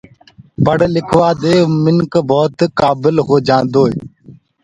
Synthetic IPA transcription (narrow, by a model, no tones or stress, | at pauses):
pəɽlɪkʰʋaːd̪eːmɪŋkbɔːt̪kaːbɪlɦoːd͡ʒãːnd̪oːeː